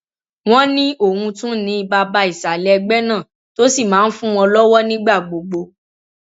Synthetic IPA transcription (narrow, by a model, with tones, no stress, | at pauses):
w̃ɔ̃˦nĩ˦o˦˨hũ˧tũ˦nĩ˨˧˦i˧ba˧ba˧i˨sa˨lɛ˨˦ɛ˧ɡ͡bɛ˦nãː˦˨ | to˦si˦˨mãː˨˦n̩˦fũ˦w̃ɔ̃˧lɔ˦wɔ˦nĩ˦ɡ͡ba˦˨ɡ͡bo˨ɡ͡bo˧